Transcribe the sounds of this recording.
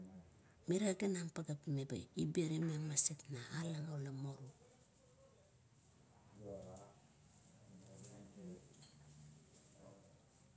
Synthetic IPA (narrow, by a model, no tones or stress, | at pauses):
miɾaɡanaŋpaɡapimeba̰jibeɾimemasetnaːlaŋalamoɾu